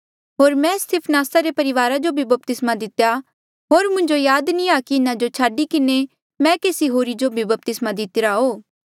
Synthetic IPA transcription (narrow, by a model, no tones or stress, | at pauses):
ɦoːɾmɛ̃st̪ʰɪpʰnaːsaɾepɐɾɪʋaːɾad͡ʒobʱibɐp̚t̪ɪsmad̪ɪt̪ja | ɦoːɾmʊ̃ɲd͡ʒojaːd̪nĩakiɪnãd͡ʒot͡ʃʰaːɖikɪne | mɛ̃ːkeːsiɦoːɾid͡ʒobʱibɐp̚t̪ɪsmad̪ɪt̪ɪɾaɦoː